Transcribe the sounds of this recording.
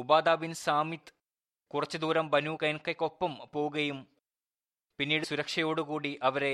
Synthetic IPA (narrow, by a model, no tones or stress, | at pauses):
ubaːd̪aːbinsaːmit̪ | kurɐt͡ɕːud̪uːɾɐmbɐnuːkɐjɐnkːɐkʲːo̞pːɐmpo̞ːuɣɐjum | pinːiːɽusuɾɐkʂɐjo̞ːɽukuːɽiʔɐʋɐɾe̞